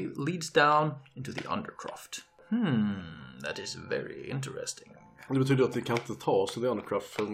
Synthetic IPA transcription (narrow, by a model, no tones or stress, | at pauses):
lidzdãʊ̃nɪ̃ntuðḭʔʌ̰̃ndə̰˞kʰɹ̥æ̰ft | hm̩ | ðæ̰ɾɨzvɛ̰ɹḭɪ̰̃ntə˞ɛ̰stɪ̃ŋ | d̪ɛbɛt̪yːd̪əɾat̪̚d̪ɛkʰanɪnt̪ət̪ʰɑːsɔðɛand̪əkʰɹɑːft̪ə